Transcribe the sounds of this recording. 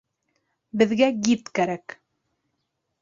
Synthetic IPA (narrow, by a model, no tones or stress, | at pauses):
bɘ̆ðɡæɡit̪kæɾæk